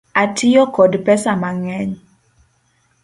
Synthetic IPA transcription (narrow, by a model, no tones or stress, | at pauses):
atʰɪjɔkɔdpɛsamaŋɛɲ